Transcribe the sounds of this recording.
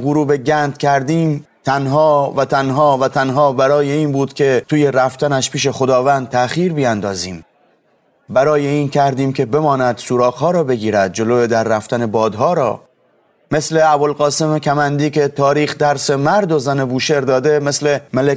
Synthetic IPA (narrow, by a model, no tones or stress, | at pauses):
ɡuɾuːbe̞ɟænd̪cʰʲæɾd̪iːmt̪ʰænɦɒːvæt̪ʰænɦɒːvæt̪ʰænɦɒːbæɾɒːjeiːnbuːd̪̥kʲʰe̞t̪ʰuːje̞ɾæft̪ænæʃpʰiːʃ̬e̞xo̞d̪ɒːvænd̪̚t̪ʰːæxiːɾbijænd̪ɒːziːm | bæɾɒːje̞iːncʰæɾd̪iːmkʰe̞be̞mɒːnæd̪̥suːɾɒːɣhɒːɾɒːbe̞ɡiːɾæd̪̚d͡ʒo̞loːjed̪æɾːæft̪æne̞bɒːd̪ɦɒːɾɒ̰ː | me̞sle̞æbo̞lɣɒːse̞mekʰæmænd̪iːke̞t̪ʰɒːɾiːxd̪æɾse̞mæɾd̪o̞zænebuːʃe̞ɾd̪ɒːd̪e̞me̞sle̞mele